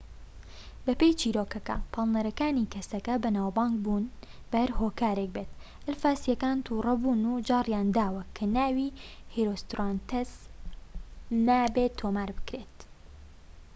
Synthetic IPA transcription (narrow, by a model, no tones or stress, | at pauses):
bɐpejt͡ʃʰiːɾoːkɐkɐ̰pʰɑlˠnɐɾɐkaːniːkɐsɐkɐbɐnaːwbɑːŋɡ̚bun | bɐhɐɾhoːkaːɾek̚beːt̪ | ʔɪlfaːsijɐkaːnt̪ʰuːrɐbuːnud͡ʒɑːrjaːnd̪aːwɐkʰɐnaːwihiɾost̪ɾant̪ez | naːbet̪ʰːoːmaːɾbɨ̥kɾet̪